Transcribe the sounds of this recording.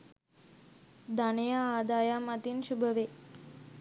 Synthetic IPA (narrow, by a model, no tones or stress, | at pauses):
d̪anejaːd̪ajamat̪inʃubʱəʋe